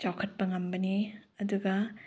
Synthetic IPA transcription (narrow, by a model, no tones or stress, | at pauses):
t͡ʃawkʰɐt̚bɐŋɐmbɐniɐduɡɐ